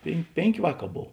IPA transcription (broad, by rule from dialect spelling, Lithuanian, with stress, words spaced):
pʲeːn ˈpʲeːŋʲˌkʲeː ˈʋɑːˌkɑː ˈboːw